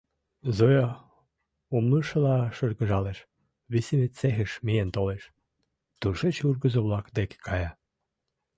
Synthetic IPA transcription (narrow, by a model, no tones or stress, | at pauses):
zojɑ | umluʃɤ̆lɑʃərɣə̆ʒɑleʃ | βiseβet̪sexə̆ʃmijent̪oleʃ | t̪uʃet͡ɕurɣəzoβlɑkd̪eke̥kʰɑjɑ